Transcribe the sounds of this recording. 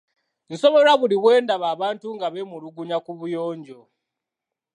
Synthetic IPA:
nso̞βe̞ɾaβuliβwe̞ːndaβaːβaːntuŋɡaβemuɾuɡuɲakuβujo̞ːɲɟo

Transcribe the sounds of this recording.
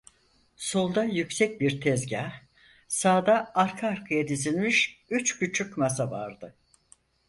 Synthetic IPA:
so̞lˠd̪ajycsɛc̚biɾt̪ʰɛzɟaː | saːd̪aaɾkʰaːɾkʰɯjad̪izilʲmiʃyt͡ʃbyt͡ʃʰycmas̬ava̰ɾd̪ɯ

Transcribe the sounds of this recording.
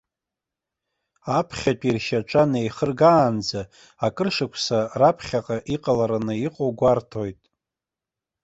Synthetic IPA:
apʰχʲatʲʷʼirʃaʈ͡ʂʷʼanejχərɡaːnd͡za | akʼɨrʂɨkʷʰsarapʰχʲaqʼaʔiqʼalaɾanɨiqʼowɡʷartʰo̞jtʼ

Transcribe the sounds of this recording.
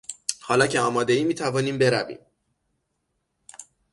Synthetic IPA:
hɒːlɒːcʰeɒːmɒːd̪e̞iːmiːt̪ʰævɒːniːmbe̞ɾævḭːm

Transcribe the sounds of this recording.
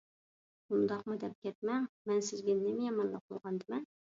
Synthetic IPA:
und̪ɑqmud̪ɛp̚kʲɛt̪̚mɛŋmɛnsɪzɡʲɛnɪmɪjɑmɑnlˠɑq̚bolˠʁɑnd̪ɪmɛn

